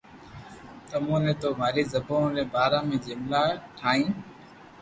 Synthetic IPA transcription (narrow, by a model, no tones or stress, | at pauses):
t̪əmũːleːt̪oːʋaːɾiːzəbõːleːbaːɾãːmẽːd͡ʒɪmlaːʈʰaːĩː